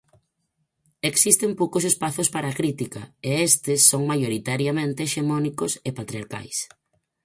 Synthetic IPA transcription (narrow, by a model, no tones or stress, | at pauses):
eksist̪empowkos̬espaθʊspaɾakɾit̪ikɐeest̪ɪsːoŋmajoɾit̪aɾjamẽnt̪eʃemɔnikʊsepat̪ɾiaɾka̰js